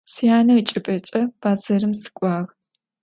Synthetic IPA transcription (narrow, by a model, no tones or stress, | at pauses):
sijaːnɐit͡ʃʼɪpʼɐt͡ʃʼɐb̥aːzɐɾɨmsɨ̥kʷʼɑːʁ